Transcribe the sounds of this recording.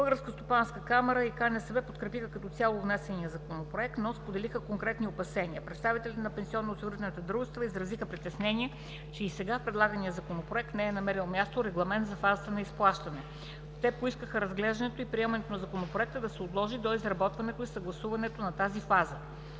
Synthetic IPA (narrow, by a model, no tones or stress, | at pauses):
bɤlˠɡəɾskəst̪opanskəkamɛɾəikanɛsɛvɛpot̪kɾɛpixəkɐt̪ɔt̪sʲalˠovnɛsɛnijəzɐkonopɾoɛk̚t̪nɔspod̪ɛlixəkoŋkɾɛt̪niopɐsɛniəpɾɛt̪st̪avit̪ɛlʲt̪ɛnɐpɛnsʲiɔnːot̪sʲivɾt̪ɛnət̪əd̪ɾuʒɛst̪vəizɾɐzixəpɾit̪ɛsnɛnʲiə | t͡ʃɛisɛɡafpɾɛd̪lˠaɡəniəzɐkonopɾoɛk̚t̪nɛɛnɐmɛɾilˠmʲjast̪oɾɛɡlˠɐmɛnt̪zɐfazət̪ənɐisplˠaʃt̪ɐnɛ | t̪ɛpoiskəxəɾɐzɡlɛʒd̪ɐnɛt̪oipɾiɛmɐnɛt̪onɐzɐkonopɾoɛk̚t̪əd̪ɐsɛʊt̪lˠɔʒid̪oizɾɐbɔt̪vɐnɛt̪oisɐɡlˠɐsuvɐnɛt̪onɐt̪azifazə